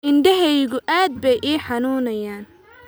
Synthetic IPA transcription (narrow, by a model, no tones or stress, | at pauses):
ɪnd̪ɐɦɛjɣʊʔaːd̪̚bɛjʔiːħɑnuːnɐjaːn